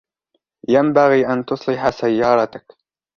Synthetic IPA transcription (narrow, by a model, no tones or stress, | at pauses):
jambaɣiːʔant̪ʊsˤlɪħasajːɑːɾˤɑt̪ak